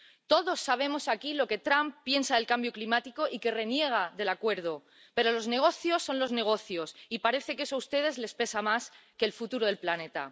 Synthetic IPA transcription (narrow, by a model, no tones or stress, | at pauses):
t̪o̞ðo̞sːaβ̞e̞mo̞sakilo̞ke̞t̪ɾamppːje̞nsaðe̞lkambjo̞klimat̪ikoʔike̞re̞nje̞ɣ̞aðe̞lakwe̞ɾð̞o̞ | pe̞ɾo̞lo̞zne̞ɣ̞o̞θjo̞sːo̞nlo̞zne̞ɣ̞o̞θjo̞sipaɾe̞θe̞kesaust̪e̞ð̞e̞zle̞spe̞samas | ke̞ːlfut̪uɾoð̞e̞lplane̞t̪a̰